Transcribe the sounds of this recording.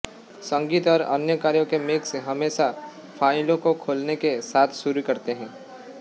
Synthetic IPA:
sɐ̃ŋɡiːt̪ɔːɾɐ̰njəkaːɾjõkemeːkseɦɐmeːʃa | fʰaːɪlõkokʰoːlnekesaːt̪ʰsʊɾikɐɾt̪eɦɛ̃ː

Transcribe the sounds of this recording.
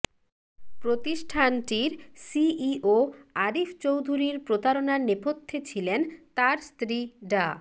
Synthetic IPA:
pɾot̪iʃʈʰanʈiɾsiiʔoaɾift͡ɕowd̪ʱuɾiɾpɾot̪aɾonaɾnepot̪ʰːet͡ɕʰilent̪aɾst̪ɾiɖa

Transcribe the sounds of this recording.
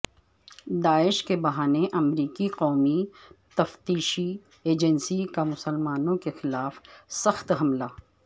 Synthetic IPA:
d̪aːɪʃkebɐɦaːneʔɐmɾiːkiqɔːmit̪ɐft̪iːʃi | eːd͡ʒənsikamʊsəlmaːnõkexɪlaːfsɐxt̪ɦɐmlaː

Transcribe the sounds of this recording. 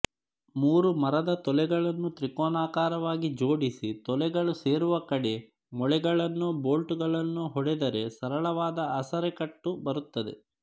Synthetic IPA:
muːɾumɐɾɐd̪ɐt̪ɔlɛɡɐɭɐnːut̪ɾikɔːnaːkaːɾɐʋaːɡid͡ʒo̞ːɽisit̪ɔlɛɡɐɭuse̞ːɾuʋɐkɐɽe | mɔɭɛɡɐɭɐnːubo̞ːlʈuɡɐɭɐnːuɦɔɽɛd̪ɐɾe̞sɐɾɐɭɐʋaːd̪ɐɐsɐɾɛkɐʈːubɐɾut̪ːɐd̪e̞̰

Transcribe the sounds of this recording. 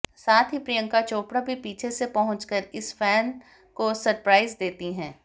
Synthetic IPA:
saːt̪ʰɦipɾijə̃ŋkat͡ʃoːpɽabʱipiːt͡ʃʰesepɐɦʊ̃t͡ʃkəɾɪsfɛːn | kosɐɾpɾaːɪzd̪eːt̪iɦɛ̃ː

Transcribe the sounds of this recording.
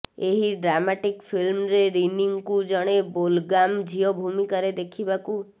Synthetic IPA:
eɦiɖɾamaʈikpʰilmɾeɾiniŋkud͡ʒɔɽ̃ebolɡamd͡ʒʱiɔbʱumikaɾed̪ekʰibaku

